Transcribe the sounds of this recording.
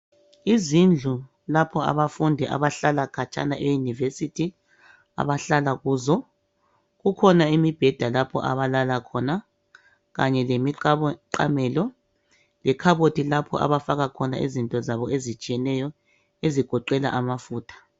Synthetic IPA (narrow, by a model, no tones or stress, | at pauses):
izind͡ɮʱu | lapʰɔa̰βafundʱɛʔa̰βaɬalakʰat͡ʃʼa̰naʔɛjunivesitʰi | a̰βaɬalaɣuːzɔ | ɣukʰɔnaimib̥ʱɛd̥ʱalapʰɔ̰ʔa̰βalalakʰɔna | ɣaɲɛlemiǃa̰mɛːlɔ | lɛkʰaβotʰilapʰɔ̰ʔa̰βafaɣakʰɔna̰ʔḭzintʼɔzaβɔezit͡ʃʼijɛnɛjɔ | eziɡ̥ʱɔǃɛla̰ʔamafuːtʰḁ